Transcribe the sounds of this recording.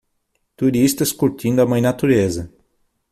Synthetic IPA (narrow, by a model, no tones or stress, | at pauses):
t̪uɾist̪ɐskuɾt̪ĩnd̪ʊɐmɐ̃j̃nat̪uɾezɐ